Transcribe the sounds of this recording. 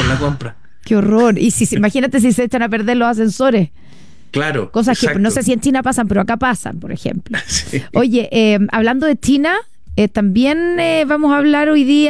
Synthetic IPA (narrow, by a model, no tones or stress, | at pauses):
lːakompɾa | keo̞ro̞ɾisisimaxinat̪e̞s̬is̬eet͡ʃanape̞ɾðe̞ɾlo̞sas̬e̞nso̞ɾes | klaɾoko̞s̬askepnoses̬ient͡ʃinapasampeɾoakapasa̰mpo̞ɾexe̞̰mploso̞ʝe̞ʔemaβland̪o̞ðet͡ʃina | et̪ambje̞neβamosaːβlaɾo̞jði